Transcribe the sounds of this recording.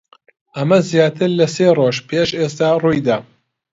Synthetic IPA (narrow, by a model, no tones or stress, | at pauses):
ʔɐmɐzjaːt̪ʰɨɾlɐseːroːʒpʰeʃeːst̪aːruːjd̪aː